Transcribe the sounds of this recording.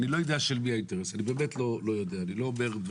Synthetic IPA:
nilo̞jod̪eaʃelmiainteʁesanibeːmetlo̞lo̞jo̞d̪eaːnilo̞ːme̞ʁd̪v

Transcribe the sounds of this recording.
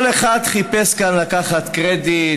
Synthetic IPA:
leχad̪χipeskanlakaχat̪kʁed̪i

